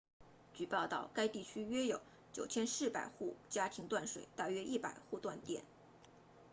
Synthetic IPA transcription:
t͡ɕy˨˩pɑ˥˧ʊt̪ɑ˥˩ʊka˥ɪt̪i˥˩t͡ɕʰy˥ɥɛ˥jo˨˧˩ʊ | t͡ɕjo˨˩ʊt͡ɕʰjɛ˥nʂɻ̩˥˩pa˨˩ɪxu˥˩t͡ɕja˥t̪ʰi˧˥ŋt̪wa˥˩nʂwe˨˩ɪt̪a˥˩ɥɛ˥ʔi˥˩pa̰˨˩ɪxu˥˧t̪wa˥˧nt̪jɛ˥˩n

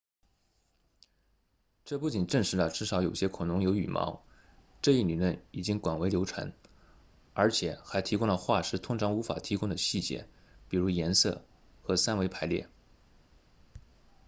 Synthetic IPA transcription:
ʈ͡ʂɤ˥˧pu˥˩t͡ɕi˨˩nʈ͡ʂə˥˩ŋʂɻ̩˧˥lə˧ʈ͡ʂɻ̩˥˩ʂɑ˧˥ʊjo˨˩ʊɕjɛ˥kʰʊ˨˩nʊ˧˥ŋjo˧˥ʊy˨˩mʔɑ̰˧˥ʊ | ʈ͡ʂɤ˥˧i˥˩ny˨˩lwə˥˩ni˨˩t͡ɕi˥ŋkwa˨˩nwe˧˥ɪljo˧˥ʊʈ͡ʂʰa̰˧˥n | ə˞˧˥t͡ɕʰjɛ˨˩˦xa˧˥ɪt̪ʰi˧˥kʊ˥ŋd̪ə˨xwa˥˩ʂɻ̩˥˩t̪ʰʊ˥ŋʈ͡ʂʰɑ˧˥ŋu˧˥fa̰˨˩t̪ʰi˧˥kʊ˥ŋd̪ə˨˩ɕi˥˩t͡ɕjɛ̰˥˩pi˨˩ɻu˧˥jɛ˧˥nsɤ̰˥˩ | xɤ˧˥sa˥nwe˧˥ɪpʰa˧˥ɪljɛ̰˥˩

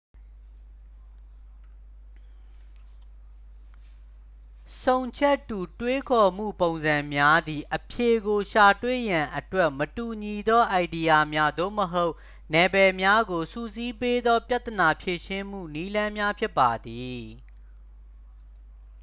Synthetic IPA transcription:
sõ˨ʊ̃ɲt͡ɕʰɛ˦tːu˨twe˦kʰɔ˨m̥ṵ˦˨põ˨ʊ̃nzã˨mja˦d̪i˨ʔəpʰje˨ɡo˨ʃa˨twḛ˦˨jã˨ʔətwɛ˦ʔmətu˨ɲi˨d̪ɔ˦ʔa˨ɪdi˨ja˨mja˦d̪o̰˦˨məɦo˦ʊ | nɛ˨bɛ˨mja˦ɡo˨sṵ˦˨zi˦pe˦d̪ɔ˦pja˦ʔt̪ə˨na˨pʰje˨ʃɪ̃˦m̥ṵ˦˨ni˦lã˦mja˦pʰjɪ˦pːa˨d̪i˨

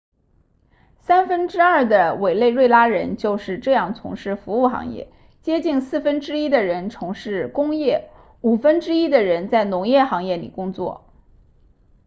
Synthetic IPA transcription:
sa˥nfə˥nʈ͡ʂɻ̩˥ɐ˞˥˩d̪ə˩we˨˩ɪle˥˧ɪɻwe˥˩ɪla˥ɻə˧˥nt͡ɕjo˥˧ʊʂɻ̩˥˧ʈ͡ʂɤ˥˧jɑ˥˩ŋt͡sʰʊ̰˧˥ŋʂɻ̩˥˩fu˧˥u˥˩xɑ̰˧˥ŋjɛ̰˥˩ | t͡ɕjɛ˥t͡ɕi˥˩nsɹ̩˥˩fə˥nʈ͡ʂɻ̩˥i˥d̪ə˨ɻə˧˥nt͡sʰʊ˧˥ŋʂɻ̩˥˩kʊ˥ŋjɛ˥˩ | u˨˩fə˥nʈ͡ʂɻ̩˥i˥d̪ə˨ɻə˧˥nt͡sa˥˩ɪnʊ˧˥ŋjɛ˥˩xɑ˧˥ŋjɛ˥˩lḭ˨˩kʊ˥ŋt͡swɔ̰˥˩

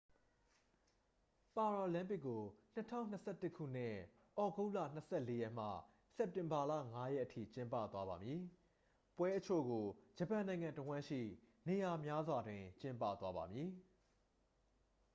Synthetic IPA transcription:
pa˨ɹɔ˨lã˦mpɪ˦ʔkːo˨n̥ə˦tʰã̰˦˨ʊ̃n̥ːəsɛ˦˨tɪ˦ʔkʰṵ˦˨n̥ɪ̰̃˦˨ | ʔɔ˨ɡo˦ʊlä̰˦˨n̥əsʰɛ˦˨le˦jɛ˦˨m̥ä̰˦˨ | sɛ˦p̚tɪ̃˨mba˨lä̰˦˨ŋa˦jɛ̰˦ʔətʰḭ˦˨t͡ɕɪ̃˦mpä̰˦˨t̪wa˦ba˨mji˨ | pwɛ˦ʔə˦t͡ɕʰo̰˦˨ɡo˨d͡ʑə˨pã˨nã˨ɪ̃ŋã˨ntə˨wã˦ʃḭ˦˨ | ne˨ja˨mja˦zwa˨dwɪ̃˨t͡ɕɪ̃˦mpä̰˦˨t̪wa˦ba˨mji˨

